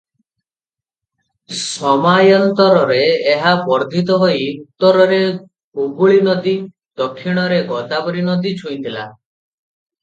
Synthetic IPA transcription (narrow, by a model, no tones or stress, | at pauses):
sɔmajɔnt̪ɔɾɔɾeːɦapɔɾd̪ʱit̪ɔɦoiut̪ːɔɾɔɾe | ubuɭinɔd̪i | d̪̥ɔkʰːiɽ̃ɔɾeɡɔd̪abɔɾinɔd̪it͡ʃʰuĩt̪ʰila̰